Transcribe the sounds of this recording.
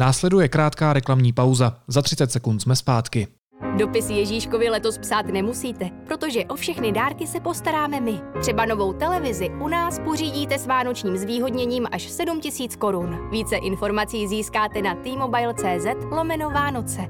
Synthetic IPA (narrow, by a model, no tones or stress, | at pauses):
naːslɛdujɛkɾaːt̪kaːɾɛklamɲiːpawzazat̪r̝̥ɪt͡sɛt̪sɛkunt̪smɛspaːt̪kɪ | do̞pɪsjɛʒiːʃko̞vɪlɛt̪o̞spsaːt̪nɛmusiːt̪ɛpɾo̞t̪o̞ʒɛʔo̞fʃɛxnɪdaːɾkɪsɛpo̞st̪aɾaːmɛmɪt̪r̝̥ɛbano̞vo̞wt̪ɛlɛvɪzɪʔunaːspo̞r̝iːɟiːt̪ɛsvaːno̞t͡ʃɲiːmzviːɦo̞dɲɛɲiːmʔaʃsɛdumcɪsiːt͡sko̞ɾunviːt͡sɛʔɪnfo̞ɾmat͡siːziːskaːt̪ɛnat̪iːmo̞bajlt͡sɛːzɛt̪lo̞mɛno̞vaːno̞t͡sɛ